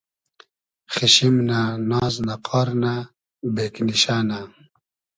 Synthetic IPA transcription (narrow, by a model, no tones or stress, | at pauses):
xiɕimnanɑːznaqʰɑːɾna | beːkniɕaːna